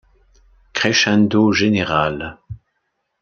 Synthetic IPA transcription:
kχɛʃɛ̃nd̪oʒeneʁal

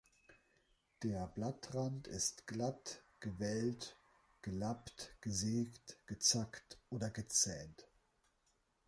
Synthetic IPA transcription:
d̥eːɐblatʁantɪstɡ̥latɡ̥əvɛlt | ɡ̥əlaptɡ̥əzeːktɡ̥ət͡saktʔoːdɐɡət͡sɛːnt

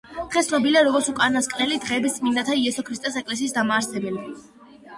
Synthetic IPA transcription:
d̪̥ʁɛst̪nɔbiliaɾɔɡɔɾt̪sukʼaɾnaskʼnɛlid̪̥ʁɛːbist̪sʼmind̪at̪ʰaiɛsɔkʰɾist̪ʼɛsɛkʼlɛs̬iːsd̪amaːɾsɛbɛli

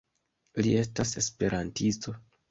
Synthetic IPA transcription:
lie̞stase̞spe̞ɾʔantisto̞

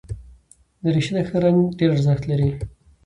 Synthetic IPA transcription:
d̪əɾiʃid̪əxəɾaŋɡɖeɾzəxt̪laɾi

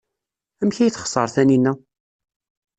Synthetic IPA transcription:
æmçæjθχsˤə̰ɾθæninːæ

